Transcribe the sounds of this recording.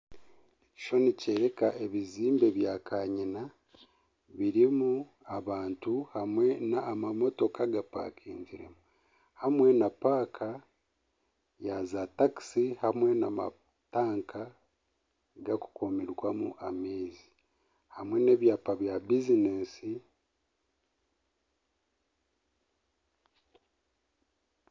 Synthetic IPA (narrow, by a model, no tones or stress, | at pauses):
ci̥t͡ʃo̞niceːɾe̞kaʔe̞βiziːmbe̞βjaːkʰaɲina | βiɾimu | aβaːntuhamwe̞naːmamo̞to̞kaɡapa̰ːkʰiːɲɟiɾe̞̰mu | hamwe̞napaːkʰa | jazataki̥sihamwe̞nama̰ | taːŋkʰa | ɡaku̥komiɾwamṵʔameːzi | hamwe̞ne̞βjaːpaβjabizineːsi